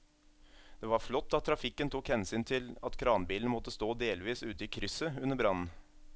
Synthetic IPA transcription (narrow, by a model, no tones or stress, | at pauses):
d̪̥eːʋɑɾflɔt̪ːɑt̪ʰːɾɑfɪkːənt̪ʰuːkhɛnsyːnt̪ʰɪlɑt̪kʰɾɑːnbiːln̩mɔt̪ːəst̪oːd̪eːlʋiːsʉːt̪əiːkʰɾʏsəʉnːəbɾɑnn̩